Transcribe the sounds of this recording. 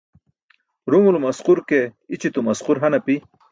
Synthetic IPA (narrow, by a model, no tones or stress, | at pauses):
ɾumulumasquɾkeit͡ɕit̪umasquɾɦanapi